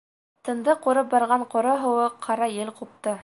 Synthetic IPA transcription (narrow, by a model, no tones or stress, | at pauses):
t̪ɤ̆nd̪ɤquɾɤp̚bɑɾʁɑɴqŏɾɤɦɤ̆wɤqʰɑɾɑjɘlqup̚t̪ɤ